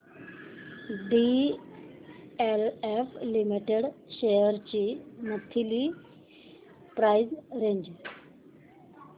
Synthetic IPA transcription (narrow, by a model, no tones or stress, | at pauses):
ɖi | eleflimiʈeɽɕejəɾt͡ɕimət̪ʰili | pɾajzɾẽɲd͡ʑ